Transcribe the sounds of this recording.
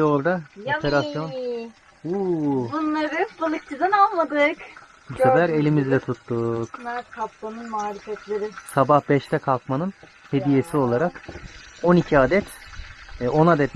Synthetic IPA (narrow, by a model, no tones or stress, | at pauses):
ɛo̞ɾd̪apʰeɾasjo̞n | ubunlˠaɾɯbɯlˠɯk̚t͡ʃʰizɯnalˠmad̪ɯk | biad̪aɾe̞lʲimizlʲɛt̪ʰut̪ːukmakʰaplanɯnmaːɾʲifɛt̪lʲeɾɪsabahbɛʃt̪ʰɛkʰalˠkmanɯn | he̞d̪ije̞sio̞lˠaɾak | o̞nicʰiaːd̪ɛt̪ː | o̞nad̪ɛt̪